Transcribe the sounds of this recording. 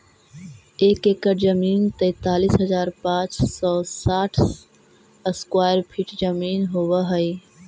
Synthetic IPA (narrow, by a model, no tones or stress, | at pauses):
eːkeːkəɾd͡ʒəmiːnt̪əɪt̪aːliːsɦəzaːɾpãːt͡ʃsɔːsaːʈʰ | skwaːjəɾpʰiʈd͡ʒəmiːnɦoːʋəɦəi